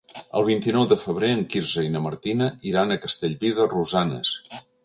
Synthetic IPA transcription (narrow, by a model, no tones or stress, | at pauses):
ə̰lˠβ̞int̪inɔwðəfəβ̞ɾeəŋkiɾzəinəməɾt̪inəʔiɾanəkəst̪eʎβiðəruzanə̰s